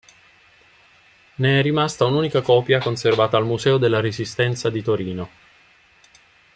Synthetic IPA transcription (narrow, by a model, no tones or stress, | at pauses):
neɛrːimast̪aunuːnikakɔːpjakonservaːt̪aːlmuzɛːod̪elːaɾezist̪ɛnt̪sad̪it̪oɾiːno